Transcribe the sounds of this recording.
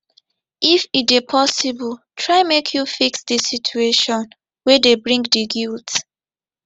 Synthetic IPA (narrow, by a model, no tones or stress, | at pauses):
ifit̚epʰɔsibɔltʰɹaɪmekʰjufiksdisitʰueʃɔ̃n | wɛdebɹĩŋɡdiɡilt